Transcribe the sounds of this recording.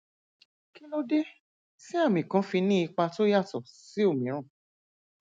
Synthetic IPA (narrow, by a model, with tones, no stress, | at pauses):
ki˦lo˦de˦ | si˦a˦˨mĩ˨kã˨˦fi˧nĩ˦i˧k͡pa˧to˦ja˦˨tɔ˨si˨˦o˦˨mĩ˨˦ɾ̃ã˦˨